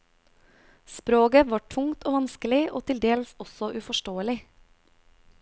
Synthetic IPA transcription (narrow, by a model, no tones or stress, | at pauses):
spɾoːkəʋɑːʈʰʊŋt̪ʰoːʋɑnskəlɪʔoːt̪ʰɪld̪eːləsɔsɔʔʉfɔʃʈoːəlɪ